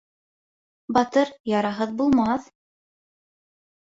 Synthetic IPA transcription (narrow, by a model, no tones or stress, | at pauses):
bɑt̪ɤɾjɑɾɑɦɤðbulˠmɑθ